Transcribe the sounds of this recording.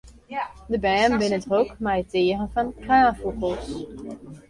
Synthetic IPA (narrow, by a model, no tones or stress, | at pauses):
dəbɛːmbɪnətʁowkmajteːrənvɑnkraːfuχəlˠs